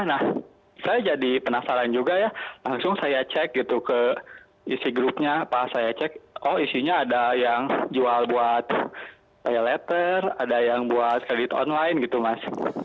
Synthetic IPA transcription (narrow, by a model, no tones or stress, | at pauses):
jahnah | sajad͡ʒadipənasaɾand͡ʒuɡajalaŋsʊŋsajat͡ʃɛk̚ɡit̪ukə | isiɡɾʊp̚ɲapasajat͡ʃɛk̚ɔhisiɲaːdajaŋd͡ʒualbuat̪̚ | pajalɛt̪əradajaŋbuat̪̚kɾedit̪ɔ̰nlaɪnɡit̪umas